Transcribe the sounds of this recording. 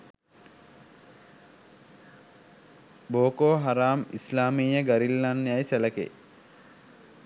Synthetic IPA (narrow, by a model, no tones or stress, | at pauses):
boːkoːɦaɾaːmislaːmiːjəɡaɾilːanːejajsæləkḛ